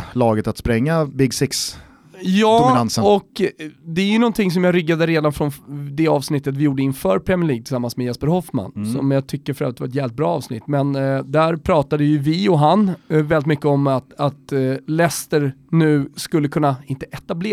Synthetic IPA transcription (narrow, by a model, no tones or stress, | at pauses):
lɑːɡət̪at̪spɾɛŋːabɪɡsɪks | jɑːmɪnansəɔkd̪ɛæjɵnɔnt̪ʰɪŋs̬ɔmjɑːɾʏɡːad̪əɾeːd̪anfɾɔnd̪ɛɑːvsnɪt̪ːət̪vɪjuːɖəɪnfœːɾpʰɾɛmɪɭiːɡ̚t̪ʰɪ̥samːansmɛjɛspəɾhɔfma̰nsɔ̰mjɑːɡt̪ʰʏkːəɾfœɾœ̰vɾət̪vaɾɛt̪̬jæːvlɪt̪̚bɾɑ̰ːɑːvsnɪ̰t̪ːmɛnd̪æɾpʰɾɑːt̪ad̪əjɵvɪɔɦanvɛlːɪt̪mʏkːəɔmat̪at̪lɛst̪əɾnʉ̟ːskɵlːəkʰɵnːaɪnt̪əʔɛt̪ableː